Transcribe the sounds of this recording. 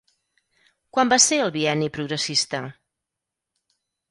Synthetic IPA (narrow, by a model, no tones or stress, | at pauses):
kwambaseəlˠβiɛnipɾuɣɾəsist̪ə